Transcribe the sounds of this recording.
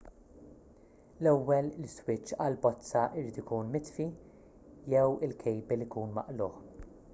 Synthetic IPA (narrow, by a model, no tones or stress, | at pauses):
lɛwːɛlɪlswɪt͡ʃːɐlbɔt͡st͡sːɐʔɪɾiːt̪ikuːnmɪt̪fi | jɛwɪlkʰɛjbɛlikuːnmɐ̰ʔlʊːħ